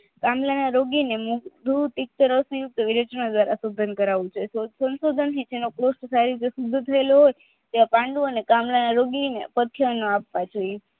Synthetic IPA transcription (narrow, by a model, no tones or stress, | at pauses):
kamlanaɾoɡinemukd̪ʱut̪ik̚t̪əɾəsujuk̚t̪ʋiɾəd͡ʒənod̪ʋaɾasod̪ʱənkəɾaʋũt͡ʃʰesosənsod̪ʱənt̪ʰid͡ʒenokɾosʈsaɾid͡ʒesud̪ʱːət̪ʰəeloɦoj | t̪eʋapãɳɖũənekamlanaɾoɡinḛpət̪ʰjənoapʋad͡ʒoje